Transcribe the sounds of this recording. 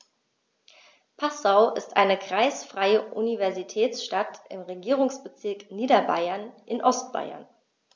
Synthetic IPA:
pʰasaʊʔɪstʔa̰ɪnəkʁ̥aɪsfʁ̥aɪəʔunivɛɐzitʰɛːt͡sʃtatɪmʁeɡiːʁ̞ʊŋsb̥ət͡sɪɐkniːdɐba̰ɪɐnʔɪnʔɔst̚b̥a̰ɪɐ̰n

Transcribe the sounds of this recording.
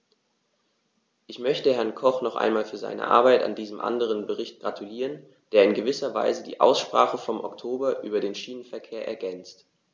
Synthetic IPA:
ʔɪçmœçtəhɛɐnkʰɔχnɔχʔa̰ɪnmaːlfyːɐza̰ɪnə̰ʔa̰ɐbaɪta̰ndiːzəmʔa̰ndəʁənbəʁɪçt̚ɡ̥ʁatʰuliːʁən | d̥eːɐɪnɡəvɪsɐva̰ɪzədḭːʔa̰ʊsʃpʁ̥a̰ːχəfɔmʔɔ̰ktʰoːbɐʔyːbɐdeːnʃiːnənfɛɐkʰeːɐʔɛ̰ɐɡɛnt͡st

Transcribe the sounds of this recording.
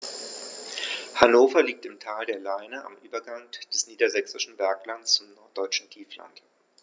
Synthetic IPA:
hanoːfɐliːk̚tɪmtʰaːldeːɐlaɪnəʔa̰mʔyːbɐɡaŋd̥ɛsniːdɐzɛksɪʃn̩bɛɐklant͡st͡sʊmnɔɐtd̥ɔʏt͡ʃn̩tʰiːfla̰nt

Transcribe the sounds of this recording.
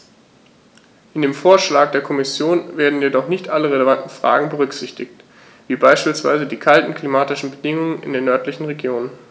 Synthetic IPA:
ʔɪndeːmfoːɐʃlaːk̚d̥eːɐkʰɔmɪsjoːnveːɐdn̩jedɔχnɪçtʔaləʁeləvantn̩fʁ̥a̰ːɡŋ̩bəʁʏkz̥ɪçtɪçt | v̥iːbaɪʃpiːlsv̥a̰ɪzədiːkʰaltn̩kl̥imaːtɪʃn̩bədɪŋʊŋənɪ̰ndeːnːœɐtlɪçn̩ʁeɡjoːnən

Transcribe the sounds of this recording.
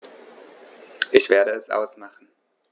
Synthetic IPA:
ʔɪçv̥eːɐɾəɛsʔa̰ʊsmaχn̩

